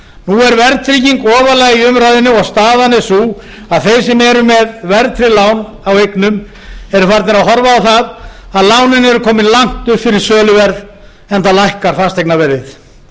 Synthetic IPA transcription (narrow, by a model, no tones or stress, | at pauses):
nuɛɾvɛɾt̪ʰɾiciŋkɔːvalaɣiʏmɾajðɪnːʏɔɣst̪aːðanɛsu | aðθejsɛmɛɾʏmɛðvɛɾt̪ʰɾɪlaːwn | awejknʏm | ɛɾʏfaɾt̪nɪɾawɦɔɾvaːwθaðaðlaːwnɪnɛɾʏkʰɔːmɪnlaŋ̥t̪ʏhpfɪɾɪɾ̥sœːlʏvɛɾð | ɛnt̪alajhkaɾ̥fast̪ʰaejknavɛɾðɪθ